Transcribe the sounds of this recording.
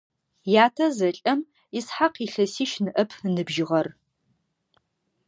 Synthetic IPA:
jaːtʰɐzɐɬʼɐm | isħaqiːɬɐsiːʃnɨʔɐpʰnɨbʒɪʁɐr

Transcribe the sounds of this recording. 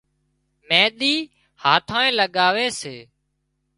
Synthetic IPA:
mẽːɗ̪iː | haːt̪ʰãːẽːləɠaːʋeːseː

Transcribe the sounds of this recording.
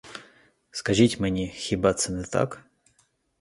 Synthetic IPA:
skɐʒitʲmnʲixʲibat̪sənɛt̪a̰k

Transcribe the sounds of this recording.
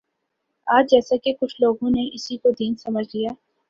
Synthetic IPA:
aːd͡ʒd͡ʒɛːsakekʊt͡ʃʰloːɡõneʔɪsikod̪iːnsɐməd͡ʒʱlijaː

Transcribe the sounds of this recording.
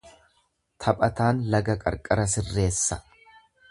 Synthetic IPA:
t̪ʰɐpʼɐt̪aːnlɐɡɐkʼɐ̰ɾkʼɐɾɐsɪrːe̞ːsːɐ̥

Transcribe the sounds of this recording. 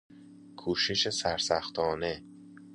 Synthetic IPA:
kʰuːʃeʃesæɾsæxt̪ʰɒːne

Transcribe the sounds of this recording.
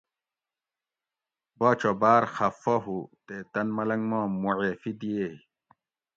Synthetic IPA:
bɐt͡ɕobaːɾxɐfɐɦut̪et̪ɐnmɐlɐŋɡmãːmuʕefid̪ije

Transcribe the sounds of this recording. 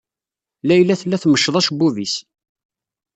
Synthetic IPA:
læjlːæθlːæθməʃːðˤɑʃbuvis

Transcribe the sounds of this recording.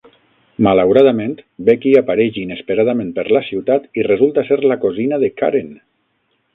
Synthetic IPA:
malawɾaðamẽnt̪bekiapaɾɛʒinespeɾað̞amẽnpeɾlasiwt̪at̪irezulˠt̪aseɾlakozinaðeka̰ɾen

